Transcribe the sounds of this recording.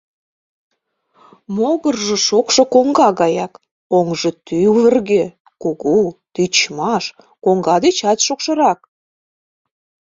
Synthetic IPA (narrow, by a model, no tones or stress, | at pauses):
moɣərʒə̆ʃokʃŏkoŋɡɑɣɑjɑk | oŋʒɤ̆t̪yβə̆rɣe | kuɣut̪yt͡ɕmɑʃ | koŋɡɑd̪et͡ɕɑt̪ʃokʃɤ̆ɾɑk̚